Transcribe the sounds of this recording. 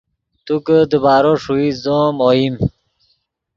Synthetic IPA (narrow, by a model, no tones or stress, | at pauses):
t̪ukəd̪əbaːɾoʂuizomoim